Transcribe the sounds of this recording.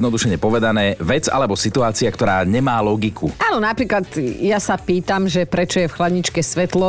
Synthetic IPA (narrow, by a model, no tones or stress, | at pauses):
nɔd̪uʃɛɲɛpɔʋɛd̪anɛːʋɛd͡za̰lɛbɔsit̪uaːt͡siakt̪ɔɾaːɲɛmaːlɔɡikʰuʔaːnɔnapɾiːklad̪jasapiːt̪amʒɛpɾɛt͡ʃɔjɛfxlad̪ɲit͡ʃkɛsʋɛt̪lɔ